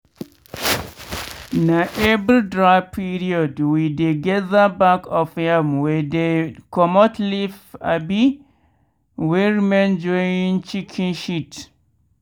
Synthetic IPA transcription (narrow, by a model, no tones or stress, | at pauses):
naʔɛbɾidɹapʰiɾiɔdwideɡɛðabakɔfhɛmwɛdekɔmɔtʰlifa̰bi | wɛɹimɛ̃nd͡ʒɔ̃ĩnt͡ʃikʰĩnʃit